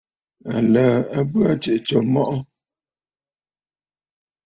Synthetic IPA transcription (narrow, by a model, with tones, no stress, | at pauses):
a̰˨lə˨a˦bə˦a˦t͡ʃe˨ʔt͡ʃɔ˨mɔ˦ʔɔ˦